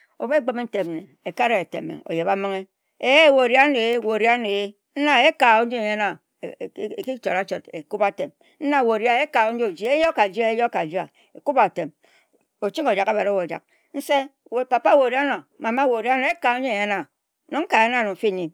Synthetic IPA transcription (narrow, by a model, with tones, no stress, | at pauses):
o̰˨bɡ͡be˦me˦n̩˦te˨m˨ne˨ | e˨ka˦ɾe˦e˨tḛ˨mḛ˨o̰˨je˨βa˦mo˦ŋe˦ | e˦jwo˨ɾi˦a˦ne˨˦˨wo˨ɾi˦a˦ne˨e˦ | n̩˦na˦e˦ka˨o˦n̩˦d͡ʒi˦e˨je˦na˨˦˨ | ki˦t͡ʃo˨ɾa˦t͡ʃo˨te˨ku˦ba˨te˨m | n̩˦na˦˨wo˨ɾja˦e˦ka˨o˦n̩˦d͡ʒo˦˨d͡ʒi˦e˦jo˦ka˨d͡ʒi˦a˦e˦jo˦ka˨d͡ʒi˦a˨ | e˨ku˦ba˨te˨m | o˨t͡ʃi˦ko˨d͡ʒa˨ka˦ba˨ɾe˦wo˨d͡ʒa̰˨k̚ | n̩˦se˦ | we˨pa˨pa˦wo˨ɾi˦a˦no˨ma˨ma˦wo˨ɾi˦a˦no˨e˦ka˨˦ɲe˦e˨ɲe˦na˨ | no˨ŋ̩˦ka˨e˦na˦˨no˨fi˦ni˨m